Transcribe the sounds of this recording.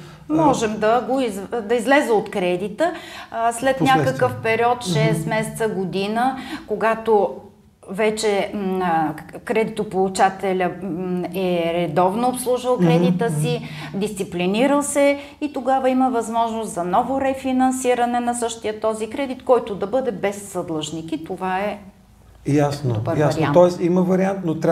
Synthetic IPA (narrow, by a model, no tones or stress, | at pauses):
mɔʒɛmd̪ɐɡoizd̪ɐizlɛzɛot̪kɾɛd̪it̪əslɛt̪nʲakəkəfpɛɾiɔt̪ʃɛsmɛsɛt̪səɡod̪inəkoɡat̪o | vɛt͡ʃɛ | kɾɛd̪it̪opolˠut͡ʃat̪ɛlʲə | ɛɾɛd̪ɔvnoːpslˠuʒvəlˠkɾɛd̪it̪əsid̪ist̪sipliniɾəlˠsɛ | it̪oɡavəiməvɐzmɔʒnost̪zɐnɔvoɾɛfinɐnsiɾɐnɛnɐsɤʃt̪ijət̪ɔzikɾɛd̪it̪kɔjt̪ʊd̪ɐbɤd̪ɛbɛsːɐd̪lˠɤʒnikit̪ovaɛ | jasndoobəɾjavɐɾiant̪ɔɛsiməvɐɾiant̪not̪ɾ